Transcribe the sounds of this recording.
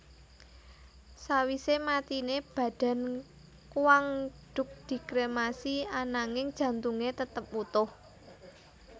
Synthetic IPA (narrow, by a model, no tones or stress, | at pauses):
sawisemat̪ineb̥ä̤ɖ̥a̤n | kuwaŋɖ̥ʊ̤k̚d̪̥i̤kɾemasianaŋɪŋd̥ʒ̥ä̤nt̪uŋet̪ət̪əp̚ut̪ʊh